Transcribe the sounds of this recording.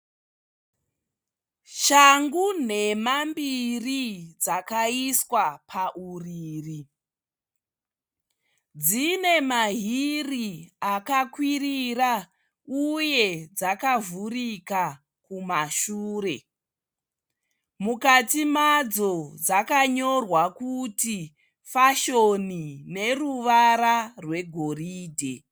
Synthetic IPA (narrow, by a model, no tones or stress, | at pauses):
ʃaŋɡune̞mambirid͡zakaiswapʰaʔuriːri | d͡zine̞maɦiriakakwirira | uje̞d͡zakavurika | kumaʃuːre̞ | mukatimad͡zo̞d͡zakaɲo̞rwakuti | faʃonine̞ruʋaɾarwe̞ɡʱo̞riːdʱe̞̰